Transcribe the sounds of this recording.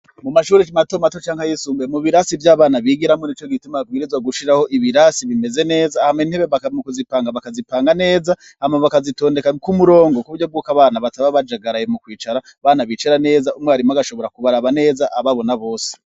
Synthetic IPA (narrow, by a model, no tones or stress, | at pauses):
mumaʃuːɾimatomatot͡ʃaːŋhajisuːmbjemuβiɾasivjaːβaːnaβiɡiɾamŋoniːt͡ʃo̞ɡitimabɡiːɾizwaɡuʃiɾaho̞ʔiβiɾaːsiβime̞ze̞ne̞ːzahamein̥he̞βeβakmukuzipaːŋɡaβakazipaːŋɡane̞ːza | amaβakazito̞ːnde̞kakumuɾo̞ːŋɡokuuɟob̚ɡuːkaβaːnaβataβaβad͡ʒaɡaɾajemukwiːt͡ʃaɾa | βaːnaβit͡ʃaɾane̞ːzaumŋeaɾimaɡaʃo̞βo̞ɾakuβaɾaβane̞ːzaʔaβaβo̞naβo̞ːse̥